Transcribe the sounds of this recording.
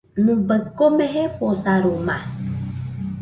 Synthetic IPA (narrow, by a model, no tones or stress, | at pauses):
nubəkːomeɦeposaɾoma